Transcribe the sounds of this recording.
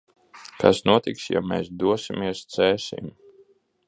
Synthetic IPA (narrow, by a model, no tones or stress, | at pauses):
kasnuɔt̪iksja̰mɛːsd̪uɔsimiɛst̪sɛːsḭm